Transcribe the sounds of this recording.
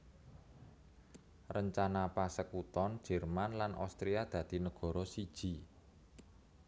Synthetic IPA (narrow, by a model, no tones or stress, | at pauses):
rəɲt͡ʃanapasəkut̪ɔnd̥d͡ʒ̥ɛ̤rmanlanʔa̰st̪ɾijad̪̥ä̤d̪̥i̤nəɡ̥ɔ̤ɾɔsid̥ʒ̥i̤